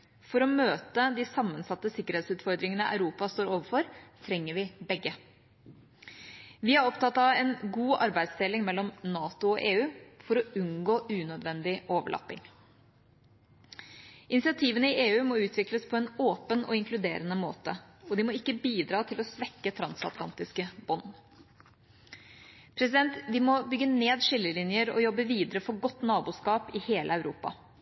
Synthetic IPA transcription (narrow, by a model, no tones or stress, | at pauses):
fɔɾɔmøːt̪əd̪ɪsɑmːənsɑt̪ːəsɪkːəɾeːt̪sʉːt̪fɔɾd̪ɾɪŋənəʔæ̰ʉɾuːpɑst̪oːɾoːʋəɾfɔɾt̪ʰɾɛŋːəɾʋɪbɛɡːə | ʋɪhæɾɔpt̪ɑt̪ːɑɛnɡuːʔɑɾbæɪd̪sd̪elɪŋmɛlːɔmnɑːt̪ʊɔʔeːʉːfɔɾɔʉnɡoːʔʉːnœd̪ʋɛnd̪ɪʔoːʋə̰ɭɑ̰pːɪ̰ŋ | ʔɪnɪsɪɑt̪ʰiːʋənəɪʔeːʉːmɔʉːt̪ʰʋɪkləspʰɔɛːnoːpənɔ̰ɪŋklʉd̪eːɾənəmo̰ːt̪əɔd̪ɪmɔɪkːəbiːd̪ɾɑːt̪ʰɪlɔsʋɛkːət̪ʰɾɑnsɑʊt̪lɑ̰nt̪ɪskəb̥ɔn | pʰɾɛsɪd̪ɛnt̪ʋɪmɔbʏɡːəneːd̪ʂɪlːəlɪnjəɾɔ̰jɔbːəʋiːd̪əɾəfɔɾɡɔt̪ːnɑːbuːskɑːpɪheːləæʉɾʔuːpɑ̰